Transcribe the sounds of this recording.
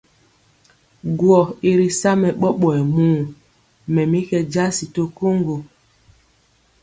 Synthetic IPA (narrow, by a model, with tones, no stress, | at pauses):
ɡwɔ˨i˦ɾi˦sa˦mɛ˨ɓɔ˦ɓɔ˨ɛ˨muː˦˨ | mɛ˨mi˦kɛ˦d͡ʒa˦si˨to˦ko˦ŋɡo˨